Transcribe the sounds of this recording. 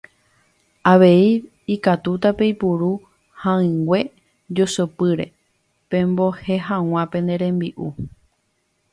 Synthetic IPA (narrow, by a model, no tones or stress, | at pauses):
aʋe̞i | ikat̪ut̪ape̞jpuɾu | hãɨ̃ŋɡʷe̞ | d͡ʒosopɨɾe̞̰ | pẽ̞mbo̞he̞ɦãw̃ãpẽ̞nd̪e̞ɾẽ̞mbiʔu